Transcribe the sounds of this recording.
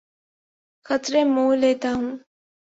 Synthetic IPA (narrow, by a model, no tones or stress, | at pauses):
xɐt̪ɾẽmoːlːeːt̪aɦũː